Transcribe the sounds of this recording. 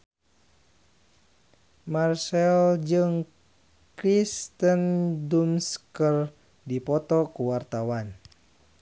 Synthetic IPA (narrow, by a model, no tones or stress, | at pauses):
marsɛld͡ʒɨŋ | kɾist̪əndumskər | dipɔt̪ɔkuwart̪awan